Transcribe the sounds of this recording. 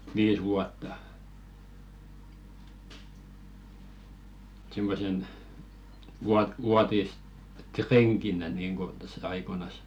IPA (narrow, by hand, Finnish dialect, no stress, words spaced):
ʋiːs ʋuɑtːɑ simːosen ʋuɑt ʋuɑtistreŋkinæ niːŋko tæsːæ ɑikoĭnɑs